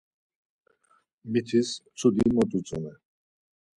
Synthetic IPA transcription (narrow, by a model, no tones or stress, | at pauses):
mit̪ʰist͡sʰud̪imɔt̪ʼut͡sʼunɛ